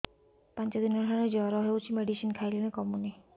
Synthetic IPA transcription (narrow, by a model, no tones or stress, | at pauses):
pant͡ʃɔd̪inɔdʰʱanɛd͡ʒɔɾɔɦɔjut͡ʃʰimeɖisinkʰajlenɛkɔmuni